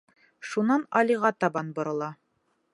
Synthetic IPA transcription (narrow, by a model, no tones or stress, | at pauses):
ʃunɑnɑlʲiʁɑt̪ɑbɑnbŏɾɤ̆lˠɑ